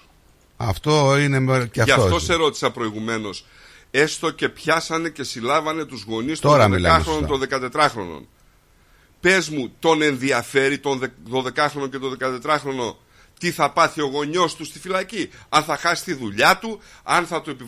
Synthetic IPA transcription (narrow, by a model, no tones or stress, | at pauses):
ɐ̰ft̪oinemɐftt̪oseɾo̞t̪i̥sɐpɾo̞iɣume̞no̞s | e̞st̪o̞ce̞pçɐsɐne̞ce̞silɐvɐne̞t̪uzɣo̞nist̪oɾðelɐɾonot̪o̞nðe̞kɐt̪e̞t̪ɾɐxɾo̞̰no̰n | pe̞zmut̪o̞ne̞nðiɐfe̞ɾit̪o̞nðeðo̞ðe̞kɐxɾo̞no̞ce̞t̪o̞nðe̞kɐt̪e̞t̪ɾɐxɾo̞no̞ | t̪iθɐpɐθio̞ɣo̞ɲo̞st̪ust̪ifilɐciɐnθɐxɐsi̥t̪iðuʎɐt̪uɐnθɐt̪ue̞pi